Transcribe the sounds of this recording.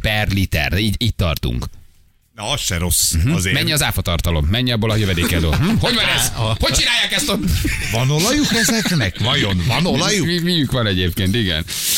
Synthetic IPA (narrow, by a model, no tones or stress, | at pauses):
pɛrlit̪ɛ̰riːɟiːtt̪ɒ̰rt̪ṵŋk | nɒɒsʃɛɾo̞sm̩ɦ̩zemɛɲːiɒzaːfɒt̪ɒrt̪ɒlomːɛɲːiɒbolɒjøvɛd̪eːkɛld̪ø̰ːɦ̩ho̞ɟvɒnɛ̥ho̞c̚t͡ʃinaːjːaːkɛst̪ovɒnolɒjukɛzɛknɛkvɒjonvɒnolɒjuimijykʋɒnɛɟeːp̚keːnt̪iɡɛ̰n